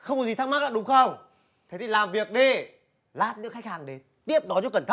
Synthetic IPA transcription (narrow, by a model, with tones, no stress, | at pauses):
xə˧wŋ͡mkɔ˨˦zi˨˩t̪a˦˥kma˦˥k̚aː˧˩ɗʊ˨˦ŋ͡mxə˧wŋ͡m | t̪ʰe˨˦t̪i˨˩laː˨˩mvi˨˩ək̚ɗi˧ | laː˦˥p̚nɨ̰˧˥əxa˦˥k̚haː˨˩ŋɗe˨˦n | t̪i˦˥əp̚ɗɔ˨˦t͡ɕɔ˨˦kə˧˩nt̪ʰə˦˥